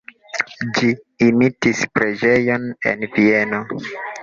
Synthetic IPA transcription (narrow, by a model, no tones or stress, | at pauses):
d͡ʒiː | mitispɾe̞d͡ʒejo̞ne̞̰nvie̞no